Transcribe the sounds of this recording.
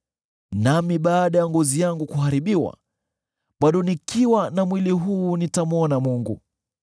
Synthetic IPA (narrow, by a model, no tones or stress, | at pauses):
namiɓaːɗajaŋɡɔzijaŋɡukuhaɾiɓiwa̰ | ɓaɗɔnikiwanamwiliɦuːnitamɔnamuŋɡu